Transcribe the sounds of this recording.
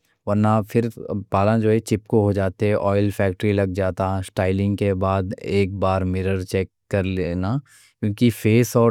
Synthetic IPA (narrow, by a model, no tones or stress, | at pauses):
ʋɐɾnafʰɪɾpaːlãd͡ʒoːɦɛt͡ʃɪpkoɦod͡ʒaːt̪eɦɛ̃ʔɔːɪlfʰɛːk̚ʈəɾilɐɡ̚d͡ʒaːt̪ãsʈaːɪlɪ̃ŋɡkebaːd̪eːk̚baːɾmɪɾəɾt͡ʃɛːkːɐɾleːna | kjũːkifeːsɔː